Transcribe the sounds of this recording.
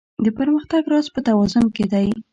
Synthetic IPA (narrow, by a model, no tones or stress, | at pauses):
d̪əpəɾməxt̪aɡɾɑzpət̪awɑzʊmked̪aj